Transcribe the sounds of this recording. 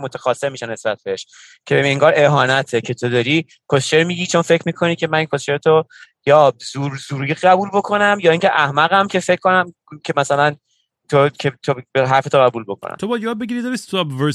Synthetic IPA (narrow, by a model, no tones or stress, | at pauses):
mot̪ʰæxɒːsːeɾmiʃæne̞sbæt̪̚beeʃ | cʰeeŋɡɒːɾe̞ɦɒːnæt̪ʰecʰe̞t̪ʰo̞d̪ɒːɾi | kʰost͡ʃeɾmiːɟit͡ʃʰo̞nfe̞cʰɾmiːkʰo̞nicʰe̞mæninkʰost͡ʃeɾet̪ʰo | jɒːzuːɾzuːɾiʁæbuːlbo̞kʰo̞næmjɒːiŋcʰeʔæhmæɣæmcʰe̞fe̞cʰːkːo̞næm | cʰe̞mæsælæn | t̪ʰocʰet̪ʰobeɦæɾfet̪ʰoɣæbuːlbo̞kʰo̰næ̰mt̪ʰobɒjd̪jɒːd̪̚beɡiɾid̪ɒɾisobve